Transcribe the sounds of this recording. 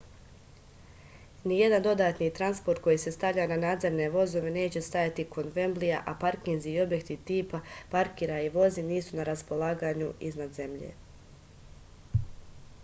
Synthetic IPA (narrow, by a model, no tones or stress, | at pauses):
nije̞d̪and̪o̞d̪aːt̪nit̪ɾanspo̞ɾt̪̚ko̞jise̞st̪aʋʎaːnanaːd̪ze̞ɾne̞ʋo̞zo̞ʋe̞ne̞ːt͡ɕe̞st̪ajat̪ikʰo̞nʋe̞mblija̰ʔapaɾkinziːo̞bje̞kt̪it̪iːpapaɾkiːɾaiʋo̞ziniːsunaɾaspo̞lˠaːɡaːɲuiznad̪ze̞mʎḛ